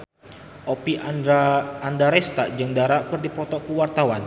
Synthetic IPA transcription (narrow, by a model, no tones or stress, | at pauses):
ʔopiaːndaɾɛst̪aʔd͡ʒəŋdaɾakərdipɾɔt̪ɔʔkəwart̪awan